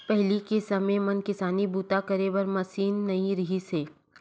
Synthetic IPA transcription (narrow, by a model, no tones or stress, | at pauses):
pɛɦlikesɐmẽmɐnkɪsaːnibuːt̪akɐɾebɐɾmɐsiːnːɐĩɾɐɦiseː